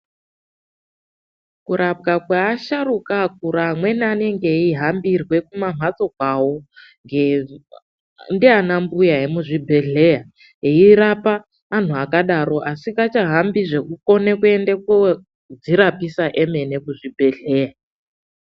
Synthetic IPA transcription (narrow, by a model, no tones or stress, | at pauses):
kuɾʔap̚ɡakwaːʃarukak̚uɾamwe̞naneŋɡe̞iɦambirwe̞kumam̤at͡so̞k̚wawo | ŋɡe | ndianambujaɦemuʐibʱe̞ɮe̞ja | ɦeirapaː | n̤uakaɗaɾo̞ʔasikat͡ʃaɦambiʐe̞kuko̞nekue̞ndeko | d͡ziɾapisaʔeme̞ne̞kuʐibʱe̞ɮe̞ːja